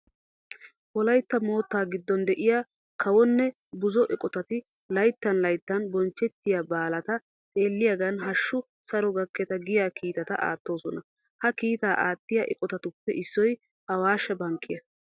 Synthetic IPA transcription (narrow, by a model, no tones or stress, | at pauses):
wɔlɐjt̪ːɐmo̞ːt̪ːaːɡɪd̪ːɔnd̪ɛʔɪjaː | kʰɐwɔnːɛ | bʊzɔʔɛkʼɔt̪ɐt̪ɪ | lɐjt̪ːɐnlɐjt̪ːɐnbɔnt͡ʃːɛt̪ːɪjabaːlɐt̪ɐ | tʼe̞ːlːɪjɐɡɐnɦɐʃːʊ | sɐɾɔɡɐkːɛt̪ɐɡɪjaːkiːt̪ɐt̪ɐ̰ʔa̰ːt̪ːo̞ːsɔnɐ | hɐkiːt̪aːʔaːt̪ːɪjaːʔɛ̰kʼɔt̪ɐt̪ʊpːɛʔɪsːɔj | hɐwaːʃːɛbɐŋkʰːɪjɐ